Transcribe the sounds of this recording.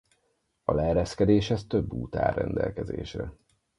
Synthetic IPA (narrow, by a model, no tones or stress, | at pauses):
ɒlɛɾɛskɛd̪eːʃhɛst̪ø̞bːuːt̪a̰ːrɛnd̪ɛlkɛzḛːʃrɛ